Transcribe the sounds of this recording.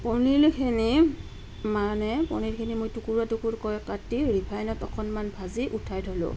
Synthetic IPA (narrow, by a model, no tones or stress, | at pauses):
pɔnilkʰini | manɛpɔnilkʰinimojtukuɹatukuɹkɔjkatiɹipʰajnɔtɔkʰɔnmanbʱaziʔutʰajtʰolʊ̰̃